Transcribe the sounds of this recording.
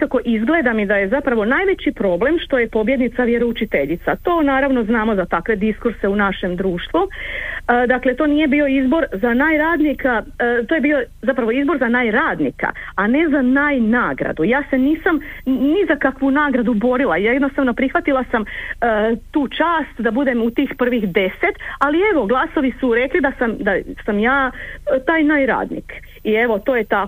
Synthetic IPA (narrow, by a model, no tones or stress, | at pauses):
kako̞ʔizɡle̞d̪amid̪aje̞zapɾaʋo̞naːjʋe̞t͡ɕipɾo̞ːble̞mʃt̪o̞je̞po̞bje̞d̪nit̪saʋje̞ɾo̞ut͡ʃit̪e̞ʎit̪sat̪o̞ːnaːɾaʋno̞znaːmo̞zat̪akʋe̞d̪iskuɾse̞unaʃe̞md̪ɾuːʃt̪ʋu | d̪akle̞t̪o̞ːnije̞biːo̞izbo̞ɾzanaːjɾaːd̪nikat̪oje̞biːo̞zapɾaʋoizbo̞ɾzanaːjɾaːd̪nḭka̰ane̞zanaːjnaːɡɾa̰d̪ujaːse̞niːsamnizakakʋunaːɡɾad̪ubo̞ɾilˠajjed̪nost̪aʋno̞pɾixʋat̪ilˠasamət̪uːt͡ʃaːst̪d̪abud̪e̞mut̪iːxpr̩ʋixd̪e̞set̪alie̞ʋo̞ɡlˠaso̞ʋisuɾe̞klid̪asamd̪asamjaːt̪aːjnaːjɾa̰ːd̪nḭk | ie̞ʋo̞t̪o̞ːje̞t̪a